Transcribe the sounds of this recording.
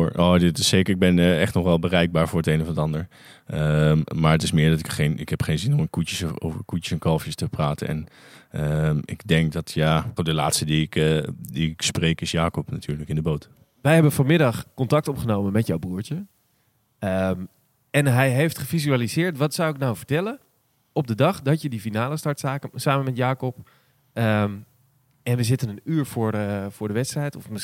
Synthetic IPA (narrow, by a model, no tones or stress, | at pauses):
ʔoːdɪtɪssejkəɹɪɡ̚bɛnɛχtnɔχʋɛlˠbərɛjɡ̚baːɹvʊːɹətejnəvɑndəɑndəɹ | ʔəmmaːɹətɪsmɪːɹdɑtɪkχejnɪkɦɛpχejnzɪnɔmənkutəso̰wvəɹkutə̥sɛnkɑlˠfjəstəpraːtə̰nɛ̰nəmɪ̰ɡdɛŋk̚dɑtʰjaːχodəla̰ːtstədiɪkdiɪksprejkɪsjaːkɔpnatʰyːɹləkɪndəbowt | ʋɛjɦɛbənfɔnmɪdɑχkɔntɑk̚tɔpχənowmənmɛtjawbruːɹtə | əm | ɛnɦɛjɦejftχəfizyalizɪːɹtʋɑtsawɪknawvəɹtɛlən | ɔb̚dədɑχdɑtjədifinaːləstɑɹtsaːkəsaːmənmɛtjaːkɔp | əm | ɛnʋəzɪtənənyːɹfʊːɹfʊːɹdəʋɛtstrɛjtɔfmə